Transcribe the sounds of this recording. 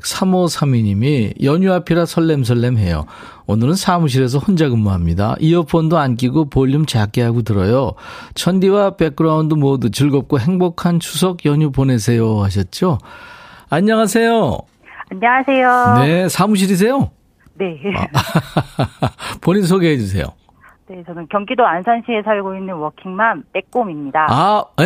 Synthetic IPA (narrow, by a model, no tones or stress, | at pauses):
sʰamʌsʰamiɲimijʌɲuapʰiɾasʰʌɭːe̞ms̬ʰʌɭːe̞mɦe̞jo̰ | onɯɾɯnsʰamuɕ̬ʰiɾe̞s̬ʰʌhond͡ʑaɡɯmːaɦamɲida̰ʔiʌpʰʌndoank̬͈iɡopoʎːumt͡ɕeak͈eɦaɡotɯɾʌ̰jot͡ɕʰʌndiwape̞k͈̚ɯɾaundomwʌdɯt͡ɕɯɭɡʌp̚k͈oɦe̞ŋbokʰant͡ɕʰus̬ʰʌkjʌɲupone̞s̬ʰe̞joɦaɕ̬ʰʌt̚t͡ɕ͈o | aɲːʌŋasʰe̞jo | aɲʌŋasʰe̞jone̞sʰamuɕ̬ʰiɾis̬ʰe̞jo | nḛ | poɲins̬ʰoɡeɦed͡ʑus̬ʰe̞̰jo̰ | ne̞t͡ɕʌnɯnkjʌŋɡidoansʰʌnɕʰiesʰaɭɡoinːɯnwʌkʰiŋmanp͈ek̚k͈omimɲidaa